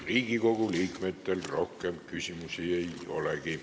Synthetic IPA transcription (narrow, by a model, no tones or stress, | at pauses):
riːɡ̥iko̞ɡ̥uliːkmet̪ːelrohkemkysʲimusiejo̰leki